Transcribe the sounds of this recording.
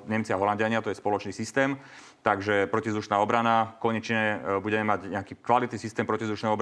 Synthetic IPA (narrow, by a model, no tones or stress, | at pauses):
ɲɛmt͡siaɦɔlandɪaɲɪat̪ɔjɛspɔlɔt͡ʃniːsist̪ɛːm | t̪aɡʒɛpɾɔcivzd̪uʃnaːɔbɾanakɔɲɛt͡ʃɲɛbuɟɛmɛmaɟɲɛakiːkʋalit̪niːsist̪ɛːmpɾɔcizd̪uʃnɛjɔbɾ